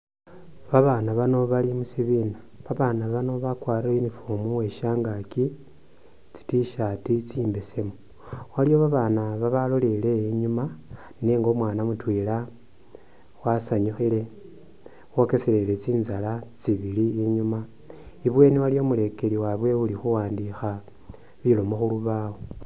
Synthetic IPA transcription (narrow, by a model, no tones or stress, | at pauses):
βaβanaβano̞βalimusiβina | βaβaːnaβano̞βakwaːɾlainifumuwe̞ʃaːŋɡaki | t͡si̥tiʃatit͡siːmbesemu | walijo̞βaβanaβaβalolele̞iɲuma | ne̞ŋɡo̞mwaːnamutwiːla | wasaɲuxile̞ | wo̞ke̞sele̞le̞t͡siːnzalat͡siβiliːɲuma | iβwe̞ːniwalijo̞mule̞keɾiwaβwe̞βulixuwaːndixa | βilo̞moxuluβawo